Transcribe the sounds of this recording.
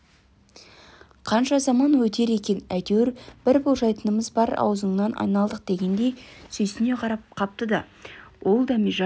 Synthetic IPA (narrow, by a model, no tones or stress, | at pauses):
qʰɑnʃɑzɑmɑnwɵt̪e̞ɾe̞kʲe̞næjt̪ewɾb̥ɪɾbolˠʒɑjt̪ənəməzbɑɾɑ̰wzəɴnɑnʔɑ̰jnɑlˠd̪əq̚d̪̥e̞ɡʲe̞nd̪e̞jsɵjsɪne̞qʰɑɾɑp̚qʰɑp̚t̪əd̪ɑ | wʔo̞lˠd̪ɑmiʒɑ